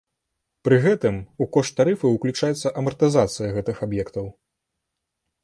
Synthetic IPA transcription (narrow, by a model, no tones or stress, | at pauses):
pɾɨɣɛt̪ɨmukɔʂt̪t̪ːaɾɨfɨuklʲut͡ʂajɛt̪sːɐʔɐmɐrt̪ɨzat̪sɨjɐɣɛt̪ɨxabjɛkt̪ɐw